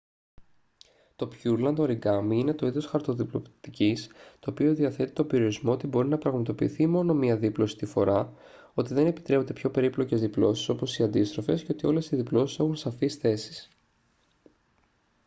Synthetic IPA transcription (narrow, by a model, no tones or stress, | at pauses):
t̪o̞pçuɾlɐnd̪oɾiɡɐmiine̞t̪o̞iðo̞sxɐɾt̪o̞ðiplo̞pt̪icist̪o̞ːpio̞ðiɐθe̞t̪i̥t̪o̞be̞ɾio̞ɾizmo̞ot̪ibo̞ɾinɐpɾɐɣmɐt̪o̞pḭːθimo̞no̞miɐðiplo̞si̥st̪ifo̞ɾɐ | o̞t̪iðe̞ne̞pi̥t̪ɾepo̞nd̪e̞pço̞pe̞ɾiplo̞ce̞zðiplo̞si̥so̞po̞siɐnd̪ist̪ɾo̞fe̞sceo̞t̪io̞le̞siðiplo̞sise̞xunsɐfisθe̞si̥s